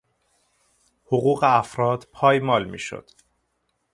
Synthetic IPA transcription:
hoɣuːɣeæfɾɒːd̪̥pʰɒːjmɒːlmḭːʃo̰d̪̥

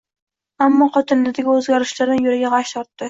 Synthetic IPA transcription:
amːɒqɒt̪ʰɪnlɪd̪aɡʲɪɵzɡʲaɾɪʃlaɾɪjʊɾɪɡʲaʁɑʃt̪ʰɒɾt̪ːɪ

